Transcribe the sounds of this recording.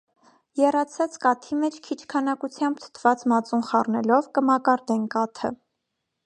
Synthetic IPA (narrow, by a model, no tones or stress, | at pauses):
jɛrɑt͡sʰɑt͡skɑt̪ʰimɛt͡ʃʰkʰit͡ʃʰkʰɑnɑkut͡sʰjɑmbt̪ʰə̥t̪ʰv̥ɑt͡smɑt͡sunχɑrnɛlɔvkəmɑkɑɾd̪ɛnkɑt̪ʰə̰